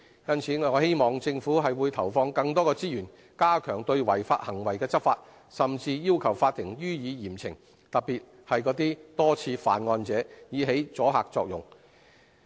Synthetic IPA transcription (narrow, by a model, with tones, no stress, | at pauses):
jɐ˥nt͡sʰiː˨˥ŋɔ˨ɔ˨˧˥he˥jmɔː˨˩ŋt͡sɪ˧ŋfuː˨˥ɦɐ˨jwuː˨˧jt̪ʰɐ˨˩wfɔː˧ŋkɐ˧ŋt̪ɔː˥kɔː˧t͡siː˥jyː˨˩n | kaː˥kʰœː˨˩ŋt̪ɵ˧ɥwɐ˨˩jfa̰ː˧t̚hɐ˨˩ŋwɐ˨˩jkɛː˧t͡sɐ˥k̚faː˧t̚ | sɐ˨mt͡siː˧jiː˥wkʰɐ˨˩wfaː˧t̪ʰːɪ˨˩ŋjyː˥jiː˨˧jiː˨˩mt͡sʰɪ˨˩ŋ | t̪ɐ˨˩piː˨t̚ | hɐ˨jkɔː˨˥t̪iː˥t̪ɔː˥t͡sʰiː˧fa̰ː˨nŋɔː˧nt͡sɛː˨˥jiː˨˧˥ɦe˨˥jt͡sɔː˨˥ɦaː˨k̚t͡sɔː˧k̚jʊ̰˨˩ŋ